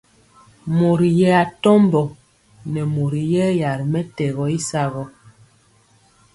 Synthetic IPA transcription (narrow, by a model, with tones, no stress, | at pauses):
mo˨ɾi˨jɛ˦a˨tɔ˦mbɔ˨ | nɛ˨mo˨ɾi˨jɛ˦ja˨ɾi˨mɛ˦tɛ˨ɣɔ˨i˦sa˦ɣɔ˦